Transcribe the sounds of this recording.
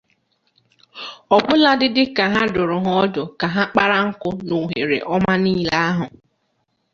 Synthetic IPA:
ɔ˨bʊ˦la˦dɪ˦dɪ˦ka˨ɦa˦dʊ˨ɾʊ˨ɦɔ˦ɔ˦dʊ˨ka˨ɦa˦k͡pa˦ɾa˦ŋ̩˦kʊ˦no˨ɦe˨ɾḛ˨ʔɔ˦ma˦niː˦la˦a˦ɦʊ˨

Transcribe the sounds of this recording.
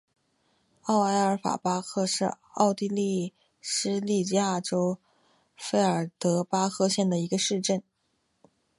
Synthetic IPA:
ɑ˥˩ʊa˧˥ɪə˞˧˥fa̰˨˩pa˥kʰɤ˥˧ʂɻ̩˥˧ | ɑ˥˧ʊt̪i˥˧li˥˩ | ʂɻ̩˥li˥˧t͡ɕja˥˩ʈ͡ʂo˥ʊ | fe˥ɪə˞˨˩t̪ɤ˧˥pa˥xʰɤ˥˧ɕjɛ˥˩nd̪ə˩i˧˥ɡə˧ʂɻ̩˥˧ʈ͡ʂə˥˩n

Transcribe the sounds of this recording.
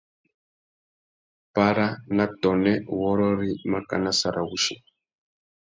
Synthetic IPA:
pa˦ɾa˦na˦tɔ˨nɛ˦wɔ˦ɾɔ˦ɾi˦ma˦ka̰˨na˦sa˨ɾʔa˨ɣu˦ʃɛ˦˨

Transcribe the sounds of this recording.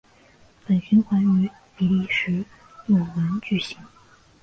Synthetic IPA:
pə˨˩nt͡ɕy˥nxwa˧˥ny˧˥ | pi˧˥li˥˩ʂɻ̩˧˥ | ju˨˩wə˧˥nt͡ɕy˥˩ɕi˧˥ŋ

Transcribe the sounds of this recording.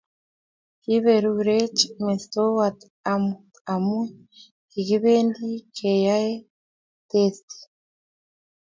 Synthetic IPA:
ki˦βe˨ɾuɾe˦t͡ʃme˨st̪o˦wat̪ | a˨muta˨mu˦ | i˨ɣi˦βeː˦ndi˦kʰe˨ja˦e˦ | t̪esti̥

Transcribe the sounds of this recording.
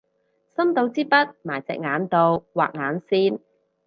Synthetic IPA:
sɐ˥mt̪o˧wt͡siː˥pɐ˥t̚maː˨˩jt͡sɛ̰˨k̚ŋaː˨˥nt̪o˨˧wwa̰ː˨k̚ŋaː˨˥nsiː˥n

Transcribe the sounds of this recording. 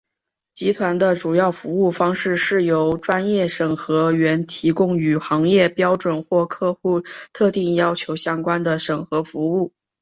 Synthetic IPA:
t͡ɕi˧˥t̪ʰwa˧˥nd̪ə˧ʈ͡ʂu˨˩jɑ˥˩ʊfu˧˥u˥˩fɑ˥ŋʂɻ̩˥˧ʂɻ̩˥˩jo˧˥ʊʈ͡ʂwa˥njɛ˥˩ʂə˨˩ŋxɤ˧˥ɥɛ˧˥nt̪ʰi˧˥kʊ˥ŋy˨˩xɑ˧˥ŋjɛ˥˩pjɑ˥ʊʈ͡ʂwə˨˩nxwɔ˥˧kʰɤ˥˧xu˥˧t̪ʰɤ˥˧t̪i˥˩ŋjɑ˥ʊt͡ɕʰjo˧˥ʊɕjɑ˥ŋkwa˥nd̪ə˨ʂɤ˨˩ŋxɤ˧˥fu˧˥u˥˩

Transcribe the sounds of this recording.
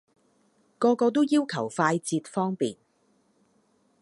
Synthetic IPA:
kɔː˧kɔː˧t̪o˥wjiː˥wkʰɐ˨˩wfaː˧jt͡siː˧t̚fɔː˥ŋpiː˨n̚

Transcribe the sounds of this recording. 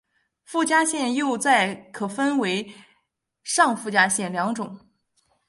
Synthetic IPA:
fu˥˩t͡ɕja˥ɕjɛ˥˧njo˥˧ʊt͡sa˥˩ɪkʰɤ˨˩fə˥nwe˧˥ɪ | ʂɑ˥˧ŋfu˥˩t͡ɕja˥ɕjɛ˥˩nljɑ˧˥ŋʈ͡ʂʊ˨˩˦ŋ

